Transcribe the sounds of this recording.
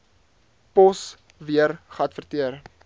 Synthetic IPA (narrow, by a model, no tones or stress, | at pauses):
pɔs | viəɾχɐtfərtiər